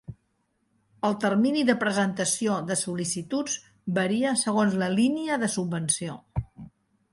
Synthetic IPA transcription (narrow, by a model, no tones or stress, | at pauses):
əlˠt̪ərminiðəpɾəzənt̪əsioðəsulisit̪ud͡z | bəɾiəsəɣonzləliniəðəsubbənsio